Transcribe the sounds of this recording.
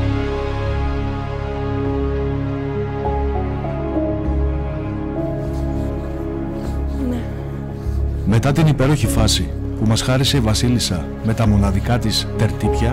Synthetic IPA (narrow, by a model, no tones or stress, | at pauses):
me̞t̪ɐt̪inipe̞ɾo̞çifɐsi | pumɐsxɐɾise̞ivɐsilisɐ | me̞t̪ɐmo̞nɐðikɐt̪ist̪e̞ɾt̪ipçɐ